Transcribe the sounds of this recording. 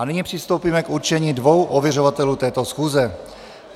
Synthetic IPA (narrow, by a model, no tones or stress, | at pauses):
anɪɲipr̝̥ɪst̪owpiːmɛkuɾt͡ʃɛɲiːdvo̞wʔovjɛro̞vat̪ɛluːt̪ɛːt̪osxuːzɛ